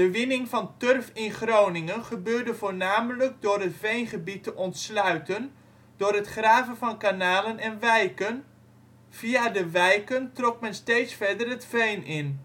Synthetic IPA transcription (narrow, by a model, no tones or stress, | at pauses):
dəʋɪnɪŋvɑntørfɪnχrownɪŋənχəbøːɹdəvoːɹnaːmələk̚dʊːrɦətvejnχəbitəʔɔntslœɥtən | d̥ʊːɾɦətχraːvənvɑnkanaːlənɛnʋɛjkən | v̥iadəʋɛjkəntrɔk̚mɛnstejtsfɛɹdərɦətvejnɪn